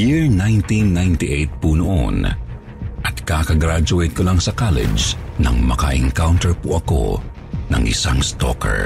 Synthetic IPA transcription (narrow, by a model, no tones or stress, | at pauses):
jiɹnajnt̪inːajnt̪iʔejt̪̚punoʔo̰n | ʔɐt̪̚kaːkɐɡɾad͡ʒʊɛjt̪̚kolaŋsɐkalɛ̰d͡ʒnɐ̰ŋmɐkɐ̰ʔɛ̰ŋkawnt̪ɛɹpoʔɐko̞̰ | nɐ̰ŋʔɪ̰saŋst̪o̰kʰɛ̰ɹ